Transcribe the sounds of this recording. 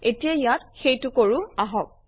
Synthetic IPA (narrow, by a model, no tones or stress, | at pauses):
etijajat̚xejtʊkoɹʊaɦɔk̚